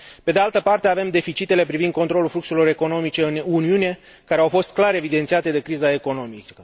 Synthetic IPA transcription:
pe̞d̪ealt̪əpart̪eave̞md̪e̞fit͡ʃit̪e̞le̞pɾivind̪kont̪ɾo̞lulflukselo̞ɾe̞ko̞no̞mit͡ʃe̞ɨnuniune̞ | kaɾeawfo̞st̪̚klaɾe̞vid̪ent̪siat̪e̞d̪e̞kɾizae̞ko̞no̞mikə

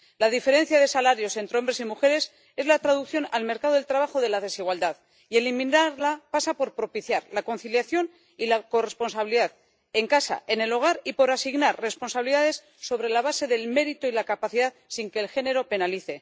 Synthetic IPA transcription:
laðife̞ɾe̞n̟θjaðe̞salaɾjo̞se̞nt̪ɾeombɾe̞simuxe̞ɾe̞s | e̞zlat̪ɾaðukθjo̞nalme̞ɾkaðo̞elt̪ɾaβ̞axo̞ðe̞laðe̞siɣwald̪að | ie̞limĩnaɾlapasapo̞ɾpɾo̞piθjaɾlako̞nθiljaθjo̞n | ilako̞re̞spo̞nsaβiliðað | e̞ŋkasa̰ʔe̞ne̞lo̞ɣ̞aɾipo̞ɾasiɣnaɾre̞spo̞nsaβliðaðe̞sːo̞βɾe̞laβ̞ase̞ðe̞lme̞ɾit̪o̞ilakapaθiðaðsiŋke̞ːlxe̞ne̞ɾo̞pe̞naliθe̞

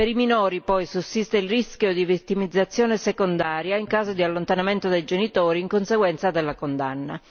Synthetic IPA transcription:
peɾiminɔːɾipɔjsusːist̪eilriskjod̪ivit̪ːimid̪zːat̪sːjoːnesekond̪aːɾjaiŋkaːzod̪ialːont̪anament̪od̪ejd͡ʒenit̪oːɾiːŋkonseɡwɛnt̪sad̪elːakond̪a̰nːa

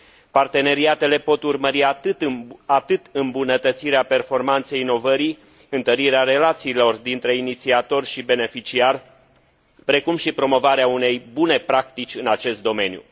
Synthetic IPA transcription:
part̪e̞ne̞ɾiat̪e̞le̞po̞t̪urməɾiat̪ɨt̪at̪ɨt̪ɨmbunət̪ət̪siɾeape̞rfo̞rmant̪se̞jino̞vəɾi | ɨnt̪əɾiɾeaɾe̞lat̪siːlo̞rd̪int̪ɾe̞init̪siat̪o̞rʲʃibe̞ne̞fit͡ʃiarʲ | pɾe̞kumʃipɾo̞mo̞vaɾeaune̞jbune̞pɾak̚t̪it͡ʃʲɨnat͡ʃe̞st̪d̪o̞me̞njṵ

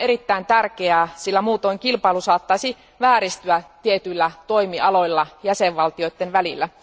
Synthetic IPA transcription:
eɾit̪ːæint̪ærkeæːsilːæmuːt̪oiŋkilpɑilusɑːt̪ːɑisi | ʋæːɾist̪yæt̪iet̪ylːæt̪o̞imiɑlo̞ilːɑjæseʋʋɑlt̪ioit̪ːenʋælilːæ

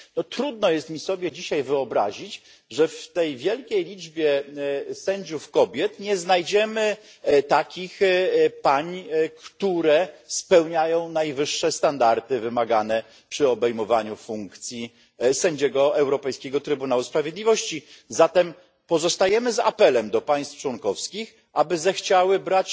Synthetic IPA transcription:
nɔt̪ɾud̪nɔjɛst̪mʲisɔbʲjɛd͡ʑiɕajvɘɔbɾa̰ʑit͡ɕ | ʐɛft̪ɛjvʲjɛlkʲejlʲid͡ʐbʲjɛsɛɲd͡ʑufkɔbʲjɛt̪ɲɛznajd͡ʑɛmɘ | t̪akʲixpaɲkt̪uɾɛspɛwɲajɔ̃w̃najvɘʂːɛst̪and̪aɾt̪ɘvɘmaɡanɛ | pʂɘɔbɛjmɔvaɲufuŋkt̪sʲji | sɛɲd͡ʑɛɡɔɛwɾɔpɛjskʲɛɡɔt̪ɾɘbunawuspɾavʲjed̪lʲivɔɕt͡ɕizat̪ɛm | pɔzɔst̪ajɛmɘza̰pɛlɛmd̪ɔpaj̃st̪ft͡ʂwɔnkɔfskʲix | ʔabɘzɛxt͡ɕawɘbɾat͡ɕ

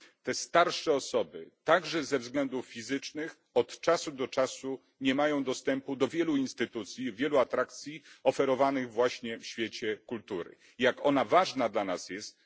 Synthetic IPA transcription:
t̪ɛst̪aɾʂɛɔsɔbɘ̰t̪aɡʐɛzɛvzɡlɛnd̪uffʲizɘt͡ʂnɘx | ɔt̪t͡ʂasud̪ɔt͡ʂasu | ɲɛmajɔ̃w̃d̪ɔst̪ɛmpud̪ɔvʲjɛluinst̪ɘt̪ut̪sʲjivʲjɛluat̪ɾakt̪sʲjiɔfɛɾɔvanɘɣvwaɕɲɛfɕfʲjɛt͡ɕɛkult̪uɾɘ̰ | jakɔnavaʐnad̪lanasjɛst̪

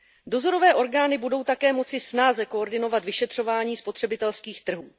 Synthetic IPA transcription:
do̞zo̞ɾo̞vɛːʔo̞ɾɡaːnɪbudo̞wt̪akɛːmo̞t͡sɪsnaːzɛko̞oɾdɪno̞vat̪vɪʃɛt̪r̝̥o̞vaːɲiːspo̞t̪r̥ɛbɪt̪ɛlskiːxt̪r̩ɦuː

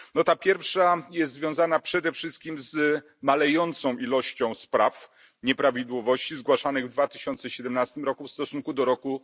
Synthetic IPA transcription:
nɔt̪apʲjɛɾfʂajɛst̪zvʲjɔ̃w̃zanapʂɛd̪ɛfʂɘst̪̚kʲimz | malɛjɔnt̪sɔ̃w̃ʔilɔɕt͡ɕɔ̃w̃spɾaf | ɲɛpɾavʲid̪wɔvɔɕt͡ɕizɡwaʂanɘɣvd̪vat̪ɘ̥ɕɔnt̪sɛɕɛd̪ɛmnast̪ɘmɾɔkufst̪ɔsuŋkud̪ɔɾɔku

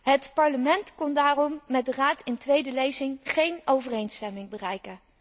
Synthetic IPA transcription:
ɦətpɑɹləmɛntkɔndaːrɔmːɛt̚dəraːtɪntʋejdəlejzɪŋχejnowvərejnstɛmɪŋbərɛjkən

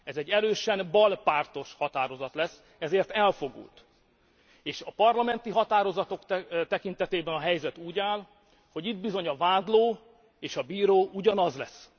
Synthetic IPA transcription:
ɛzɛɟːɛɾøːʃɛnbɒlpaːrt̪o̞ʃhɒt̪aːɾo̞zɒt̪lɛsː | ɛzeːrt̪ɛlfo̞ɡṵlt̪ | eːʃɒpɒrlɒmɛnt̪iɦɒt̪aːɾo̞zɒt̪o̞kt̪ɛkin̪t̪ɛt̪eːbɛnɒɦɛjzɛt̪uːɟaːl | ho̞ɟid̪̚bizo̞ɲɒvaːd̪loː | eːʃɒbiːɾoːʔuɟɒnɒzlɛsː

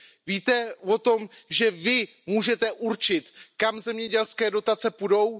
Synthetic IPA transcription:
viːt̪ɛvo̞t̪o̞mʒɛvɪ | muːʒɛt̪ɛʔuɾt͡ʃɪt̪kamzɛmɲɛɟɛlskɛːdo̞t̪at͡sɛpudo̞w

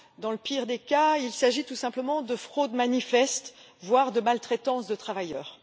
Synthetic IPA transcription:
d̪ɑ̃ləpiːʁd̪ekailsaʒit̪usɛ̃pləmɑ̃d̪əfχod̪manifɛst̪ | vwaʁd̪əmalt̪χɛt̪ɑ̃sd̪ət̪χavajœːʁ

